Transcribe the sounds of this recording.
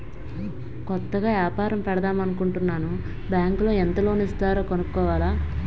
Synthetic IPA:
kɔt̪ːɐɡaːʋjaːpaːɾɐmpɛɽɐd̪aːmɐnukuɳʈunːaːnu | bjaːŋklo̞ːɛnt̪ɐlo̞ːnist̪aːɾo̞ːkonukkːɔːʋaːlaː

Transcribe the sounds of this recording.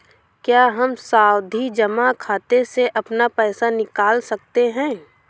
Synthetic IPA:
kjaːɦɐmsaːwd̪ʱid͡ʒɐmakʰaːt̪eseʔɐpnapɛːsanɪkaːlsɐk̚t̪eɦɛ̃ː

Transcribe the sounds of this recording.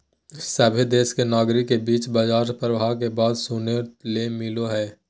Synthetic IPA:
sɐbʱed̪eːskenaːɡɾikebiːt͡ʃbɐd͡ʒaːɾpəɾʋakebaːd̪suːnelemɪloɦɛː

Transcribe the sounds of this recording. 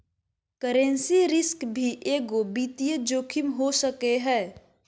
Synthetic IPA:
kəɾẽnsiɾɪskbʱiʔeːɡobiːt̪ijəd͡ʒoːkʰɪmɦosəkeɦɛː

